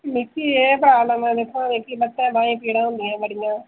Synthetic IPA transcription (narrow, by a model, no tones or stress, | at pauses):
mɪkːiːeːpɾaːbləmɛ̃ːd̪ekʰːãːd̪ẽːkibət̪ːɛ̃ːbãːĩːpiːɽãːɦʊ̃nd̪iːɦɛ̃ːbəɽɪjãː